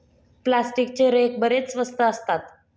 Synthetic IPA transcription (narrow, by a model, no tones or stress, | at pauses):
plasʈik̚t͡ɕeɾek̚bəɾet͡ssʋəst̪ʰəːst̪at̪